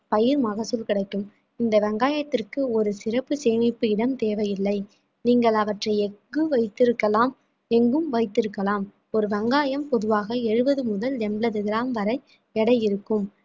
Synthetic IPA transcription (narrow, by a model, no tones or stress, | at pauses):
pɐjɪɾmɐɣɐsɯlkɪɽɐɪkːɯm | ɪnd̪ɐʋɐŋɡaːjɐt̪ːɪrkɯɔɾɯsɪɾɐpːɯseːnɪpːɯɪɽɐmt̪eːʋɐjɪlːɐɪ | niːŋɡɐɭɐʋɐʈrɐɪɛŋɡɯʋɐɪt̪ːɪɾɯkːɐlaːm | ɛŋɡɯmʋɐɪt̪ːɪɾɯkːɐlaːm | ɔɾɯʋɐŋɡaːjɐmpɔðɯʋaːɣɐɛɻɯbɐðɯmʊðɐld̪ɛmɭɐðɯɣɪɾaːmʋɐɾɐɪ | ɛɽɐjɪɾɯkːɯm